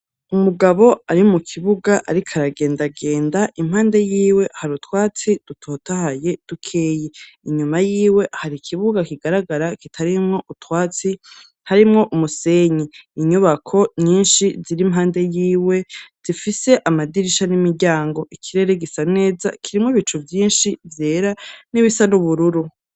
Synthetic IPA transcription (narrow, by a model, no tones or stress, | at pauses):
umuɡaβo̞aɾimukʰiβuɡaʔa̰ɾikʰaɾaɡe̞ːndaɡe̞ːndaʔimhaːnde̞jiːwe̞haɾutwaːt͡sid̥utʰo̞tahaje̞d̥ukʰeːje | iɲumajiːwe̞ʔhaɾikʰiβuɡakiɡaɾaɡaɾakitʰaɾimŋo̞ʔutwaːt͡si | haɾimŋo̞ʔumuse̞ɲiiɲuβakʰo̞ɲiːnʃiziɾimɦaːnde̞jiːwe̞z̥ifise̞ʔamadiɾiʃanimiɾɟaːŋɡo̞ʔikʰiɾe̞ɾe̞ɡisane̞ːza̰kʰiɾimŋoβit͡ʃuvjiːnʃivje̞ːɾaniβisanuβuɾuɾu